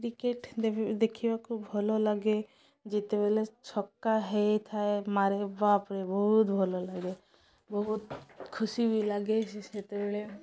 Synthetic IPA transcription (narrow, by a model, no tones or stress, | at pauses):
kɾikeʈd̪d̪ekʰibakubʱɔlɔlaɡe | d͡ʒet̪ebelet͡ʃʰɔkːaɦejt̪ʰaemaɾebapɾebɔɦut̪̚bʱɔlɔlaɡe | bɔɦut̪kʰusibilaɡesset̪ebeɭe